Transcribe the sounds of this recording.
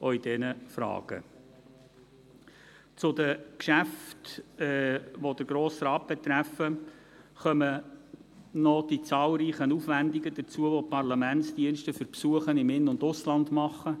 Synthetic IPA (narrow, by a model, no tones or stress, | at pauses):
ʔɔid̥ɛnəfɾɑ̰ːɡ̥ə̰ | t͡sʊd̪əkʃæftɛʋɔd̪əɡ̥ɾoːsrɑːt̚b̥ɛt̪ɾæfːə | χœmə | nɔd̥it͡sɑːlˠɾiːχənufʋænd̪iɡəd̪ət͡suəʋɔpɑɾlɑmæntsd̥iənʃtəfʏɾpsuəχənɪmɪnːʊndʊslɑnd̪mɑχə